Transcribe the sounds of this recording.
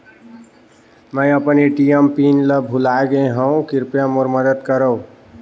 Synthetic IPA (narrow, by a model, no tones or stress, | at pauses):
mə̃jəpniʈijempinləbʱulaɡeɦəũkiɾpjãmoɾməd̪əd̪kəɾəw̃